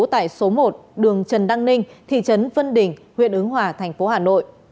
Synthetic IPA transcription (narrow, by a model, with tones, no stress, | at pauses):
t̪a̰ː˧˨jso˨˦mo˨˩t̚ɗɨ˨˩əŋt͡ɕə˨˩nɗa˧ŋnï˧ŋ̟t̪ʰḭ˧˨t͡ɕə˨˦nvə˧nɗï˨˩ŋ̟hwḭ˧˨ənʔɨ˨˦ŋɦwaː˨˩t̪ʰɛ˨˩jŋ̟fo˨˦haː˨˩no̰˧˨jʔ